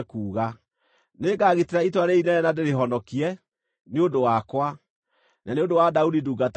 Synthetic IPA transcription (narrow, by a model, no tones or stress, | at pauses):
kuːɣa | neːɡaːɣeteɾaitwaɾeinɛɛnadeɾeɦɔnɔkiɛ | neodowakwa | nʔaneodowadaudiduːɡat